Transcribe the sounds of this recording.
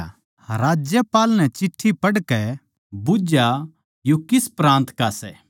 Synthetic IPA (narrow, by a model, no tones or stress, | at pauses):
ɾaːd͡ʒjəpaːlnɛ̃t͡ʃɪʈʰːipɐɽkɛ | bʊd͡ʒa | jokɪspɾãːnt̪kasɛː